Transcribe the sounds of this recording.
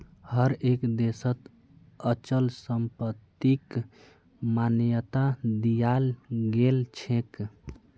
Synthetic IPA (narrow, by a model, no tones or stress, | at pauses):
həɾekd̪esət̪ | ət͡ʃəlsəmpət̪ːik | manjət̪ad̪ijalɡelt͡ʃʰẽk